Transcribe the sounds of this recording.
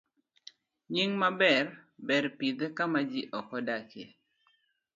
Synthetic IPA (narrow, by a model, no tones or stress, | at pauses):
ɲiŋmabɛrbɛɾpid̪ekamad͡ʒiʔɔkɔdakḛ